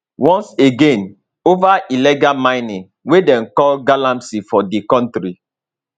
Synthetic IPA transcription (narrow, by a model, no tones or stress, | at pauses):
wɔ̃nseɡẽn | ovaʔilɛɡalmãɪnĩŋ | wedɛ̃nkɔlɡalãmsifɔdikɔ̃ntɾi